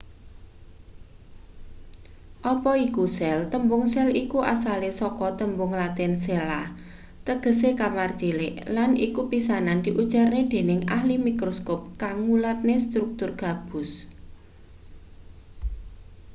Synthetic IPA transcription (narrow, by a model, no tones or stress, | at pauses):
ʔɔpɔikusɛlt̪əmbʊŋsɛlikuʔa̰salesɔkɔt̪əmbʊŋlat̪ɪnsela | t̪əɡ̥ə̤sekamart͡ʃileʔlanḭkupisanand̪̥i̤ʔud̥ʒ̥arned̪̥e̤nɪŋa̰hlimikɾoskop̚kaŋːulat̪̚nest̪ɾuk̚t̪ʊrɡ̥a̤b̥ʊ̤s